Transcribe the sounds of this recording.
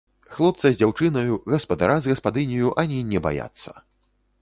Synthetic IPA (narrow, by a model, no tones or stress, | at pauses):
xlˠɔp̚t̪sɐzʲd͡zʲawt͡ʂɨnɐjuɣɐspɐd̪a̰ɾazʲɣɐspad̪ɨnʲɐjuʔanʲinʲɛba̰ja̰t̪sːɐ̥